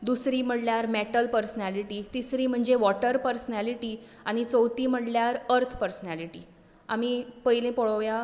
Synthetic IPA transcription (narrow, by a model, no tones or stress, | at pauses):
d̪usɾiːm̤əɽljaɾmɛʈəlpəɾsnæliʈiːt̪isɾiːm̤əɳd͡zeʋɔʈəɾpəɾsnæliʈiː | aɽ̃it͡səwt̪iːm̤əɽljaɾəɾt̪ʰpəɾsnæliʈiː | amipəilẽpɔɭəʋja